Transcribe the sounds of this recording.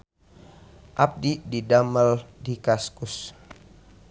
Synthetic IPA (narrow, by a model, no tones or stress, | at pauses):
ʔap̚dididaməldikaskus